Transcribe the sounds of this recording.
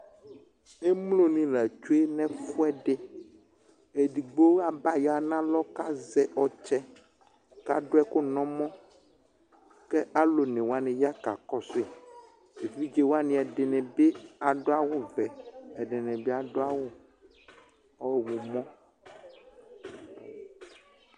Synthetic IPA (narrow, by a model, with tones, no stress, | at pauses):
e˦mlo˦nĩ˨la˨t͡ʃo˦e˦nɛ̃˦fu˦ɛ˦ɖe˦ | e˨ɖi˨ɡ͡bo˦a˨ba˦ja˨nã˦lɔ˦ka˦zɛ˨ʔɔ˨t͡ʃɛ˦ | ka̰˦ɖo˦ɛ˦ko˦nɔ̃˦mɔ̃˦ | ke˦a˦lo˨nɛ̃˨wo˦a˦nɛ̃˨ja˦ka˨kɔ˦se˨ | e˨vi˦d͡ʒe˦wo˦a˦nĩ˨ɛ˨ɖe˨nɛ̃˨be˦a˨ɖo˦a˦wo˦vɛ˨ɛ˨ɖe˨nɛ̃˨be˦a˨ɖo˦a˦wo˦ | ɔ˦˨wo˨mɔ̃˦